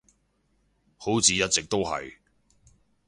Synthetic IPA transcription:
ho˨˥wt͡siː˨˧jɐ˥t̚t͡sɪ˨k̚t̪o˥wɦɐ̰˨j

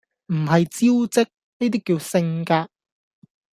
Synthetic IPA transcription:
m̩˨˩ɦɐ˨jt͡siː˥wt͡sɪ˥k̚ | ne˥t̪iː˥kːiː˧wsɪ˧ŋkaː˧t̚

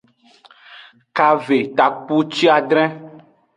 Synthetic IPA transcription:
ka˨ve˨t̪a˨k͡pu˦t͡ʃi˦a˨ɖɾɛ̃˦

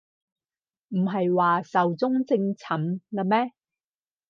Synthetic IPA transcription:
m̩˨˩ɦɐ˨jwaː˨sɐ˨wt͡sʊ˥ŋt͡sɪ˧ŋt͡sʰɐ˨˥mkɐ˧mɛː˥

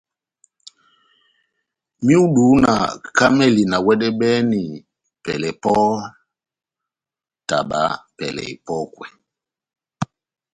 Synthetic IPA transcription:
mi˦u˦ɗu˨˦na̰˨ka˦mɛ˦˨li˨na˨wɛ˦dɛ˦ɓɛ˦ni˨ | pɛ˨lɛ˨pɔ˦ | ta˨ɓa̰˨˦pɛ˨lɛ̰˨i˨pɔ˦kwɛ̰˨

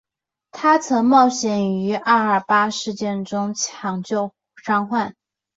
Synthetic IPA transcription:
t̪ʰa˥t͡sʰɤ˧˥ŋmɑ˥˩ʊɕjɛ˨˩ny˧˥ʔa˥˩ə˞˨˩pa˥ʂɻ̩˥˧t͡ɕjɛ˥˩nʈ͡ʂʊ˥ŋt͡ɕʰjɑ˧˥ŋt͡ɕjo˥˧ʊ | ʂɑ˥ŋxwa˥˩n

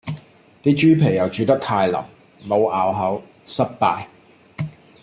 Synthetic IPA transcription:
t̪iː˥t͡ʃyː˥pʰe˨˩jɐ˨wt͡ʃyː˨˧t̪ɐ˥k̚t̪ʰaː˧jlɐ̰˨˩m | mo˨˧wʔaː˨˩wɦɐ˨˥w | sɐ˥t̚paː˧j

